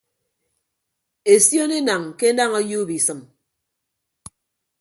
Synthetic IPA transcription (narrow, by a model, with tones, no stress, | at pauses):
e˨sjo˦ne˦na˨ŋke˦na˦˨ŋo˦ju˦bi˨sɨ˨m